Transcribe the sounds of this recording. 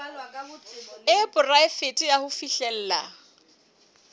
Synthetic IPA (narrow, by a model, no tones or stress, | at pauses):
ɪpʼʊraɪfetʼijahʊfiɬɛl̩ːla̰